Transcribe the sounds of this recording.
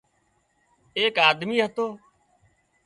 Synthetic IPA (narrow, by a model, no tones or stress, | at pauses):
eːkaːd̪miːɦət̪oː